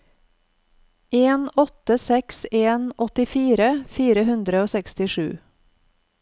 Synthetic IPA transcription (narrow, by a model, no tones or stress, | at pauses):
ʔeːnɔt̪əsɛkseːnʔɔt̪ɪfiːɾəfiːɾəhʉnd̪ɾəoːsɛkst̪ɪʃʉ̰ː